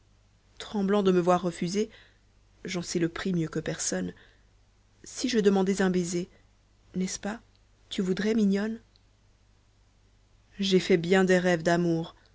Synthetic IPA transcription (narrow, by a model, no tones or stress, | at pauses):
t̪χɑ̃blɑ̃d̪əməvwaʁːəfyze | ʒɑ̃sɛləpχimjøkəpɛʁsɔn | siʒəd̪əmɑ̃d̪ɛzɛ̃beze | nɛspa | t̪yvud̪ʁɛmiɲjɔn | ʒefɛbjɛ̃d̪ɛʁɛvd̪amuːʁ